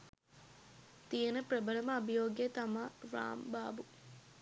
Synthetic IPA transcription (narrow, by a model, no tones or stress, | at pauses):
t̪ijənəprɐbələməːbijoːɡjet̪amara̰ːmbaːbu